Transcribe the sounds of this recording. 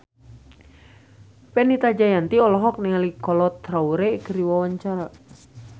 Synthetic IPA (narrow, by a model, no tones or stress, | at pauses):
pɛnit̪ad͡ʒajant̪iɔlɔɦɔk̚niŋalikɔlɔt̪ːɾauɾɛkəɾiwawaɲt͡ʃaɾa